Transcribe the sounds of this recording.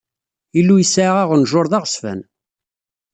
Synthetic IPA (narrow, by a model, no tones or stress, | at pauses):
ilːujəsaʕʁaʁənʒʊɾˤðɑʁəsfæ̰n